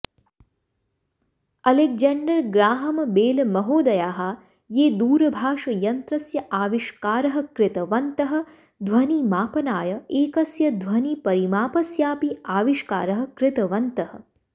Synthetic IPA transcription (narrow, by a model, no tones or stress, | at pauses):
ɐlek̚d͡ʒɐɳɖɐɾɡɾaːɦɐmɐbeːlmɐɦoːd̪ɐjaːɦɐ | jeːd̪uːɾɐbʱaːʂɐjɐnt̪ɾɐsjɐʔaːʋiʃkaːɾɐɦɐ̆kɾɪt̪ɐʋɐnt̪ɐɦɐ̆ | d̪ʱʋɐnimaːpɐnaːjɐeːkɐsjɐd̪ʱʋɐnipɐɾimaːpɐsjaːpiaːʋiʃka̰ːɾɐɦɐ̆kɾɪt̪ɐʋɐnt̪ɐhɐ̰̆